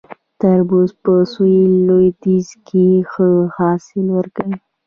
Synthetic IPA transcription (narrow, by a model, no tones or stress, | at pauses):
t̪aɾbuzpəsujlojd̪izkʰexəhɑsɪlwəɾkawi